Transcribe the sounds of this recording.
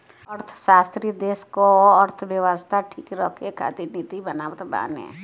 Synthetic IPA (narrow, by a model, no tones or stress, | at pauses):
əɾt̪ʰʃaːst̪ɾid̪eːskoəɾt̪ʰʋjəʋaːst̪ʰaʈʰiːkɾəkʰekʰa̰t̪init̪ibənaːbət̪ba̰ːnḛ̃